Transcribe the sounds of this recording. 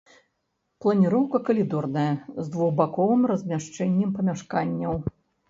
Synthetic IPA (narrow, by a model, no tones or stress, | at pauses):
plˠɐnʲiɾɔwkɐkɐlʲid̪ɔrnɐjɐzd̪vuɣbakɔvɨmrɐzʲmʲaʂt͡ʂɛnʲːɛmpɐmʲaʂkanʲːɐw